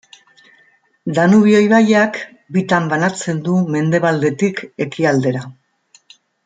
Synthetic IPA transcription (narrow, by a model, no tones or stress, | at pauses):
d̪anuβio̞jβajak | bit̪ambanat͡se̞nd̪ume̞nd̪e̞β̞ald̪e̞t̪ike̞kiald̪e̞ɾa